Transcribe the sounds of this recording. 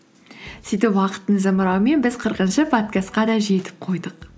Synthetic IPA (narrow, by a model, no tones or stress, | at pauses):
sijt̪epwɑqə̥t̪ːəɴzəməɾɑwəme̞nbɪzqʰəɾqənʃəpʰot̪̚kʲast̪̚qɑd̪ɑʒe̞t̪ɪ̥p̚qʰo̞jd̪əq